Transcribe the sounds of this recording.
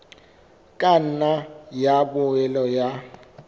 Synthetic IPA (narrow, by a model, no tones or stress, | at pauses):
kʼan̩najabʊɛlɔja